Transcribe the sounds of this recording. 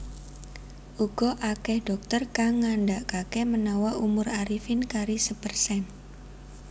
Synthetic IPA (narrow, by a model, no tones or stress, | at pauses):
ʔuɡ̥ɔʔakɛhɖ̥ɔk̚t̪ərkaŋːanɖaʔkakɛmənawaʔumʊraɾifɪnkaɾisəpərsɛn